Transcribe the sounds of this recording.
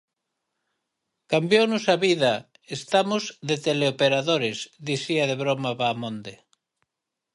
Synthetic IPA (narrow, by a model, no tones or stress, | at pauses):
kambjownʊsaβiða | est̪amʊzðet̪eleopeɾaðoɾezðiθiaðeβɾomaβaːmõnd̪e